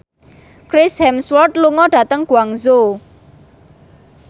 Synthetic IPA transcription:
kɾɪshɛmswɔrt̪luŋɔɖ̥ä̤t̪əŋɡ̥uaŋzo

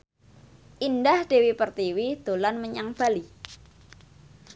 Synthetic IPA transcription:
ʔindahd̥e̤wipərt̪iwid̪̥o̤lanməɲaŋb̥ali

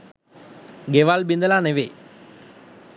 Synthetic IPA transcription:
ɡeʋalbind̪əlaneʋe

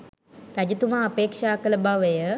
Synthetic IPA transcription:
ɾæd͡ʒut̪umaːpeːkʂaːkələbaʋəjə

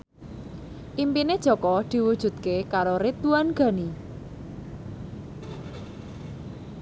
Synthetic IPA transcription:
ʔimpined̥ʒ̥ɔ̤kɔd̪̥i̤wud̥ʒ̥ṳt̪kekaɾoɾit̪uanɡ̥ä̤ni

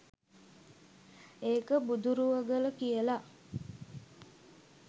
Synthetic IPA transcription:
eːkəbud̪uɾuʋəɡələkijəla

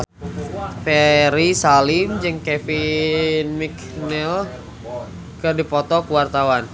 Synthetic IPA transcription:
fɛɾisalimd͡ʒɨŋkɛfinmik | nɛl | kərdipɔt̪ɔkuwart̪awan

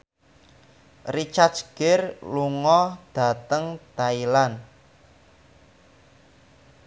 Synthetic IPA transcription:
rit͡ʃasɡ̥ɪrluŋɔd̪̥a̤t̪əŋt̪ailan

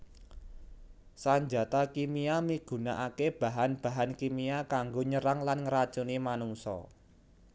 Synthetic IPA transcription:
saɲd͡ʒa̤t̪akimiamiɡ̥ṳna̰ʔakeb̥a̤ɦanb̥ä̤ɦankimiakaŋɡoɲəɾaŋlanŋəɾḁt͡ʃunimanuŋsɔ̰

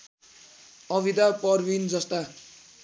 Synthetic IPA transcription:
ʌbid̪apʌrbind͡zʌst̪a

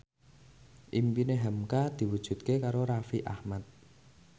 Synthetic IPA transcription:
ʔimpineɦamkad̪̥i̤wud̥ʒ̥ṳt̪̚kekaɾoɾafiʔahmat̪̚

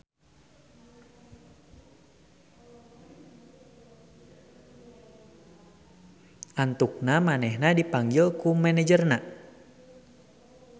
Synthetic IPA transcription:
ʔant̪uk̚namanɛhnadipaŋɡɪlkumɛnɛd͡ʒərna

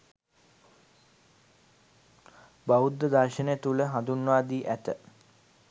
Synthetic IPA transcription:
baud̪ːəd̪aːʃənejt̪uləɦand̪unʋaːd̪iːʔæt̪ə

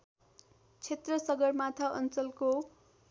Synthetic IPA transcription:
t͡sʰet̪rʌsʌɡʌrmat̪ʰʌʔʌ̰nt͡sʌlko

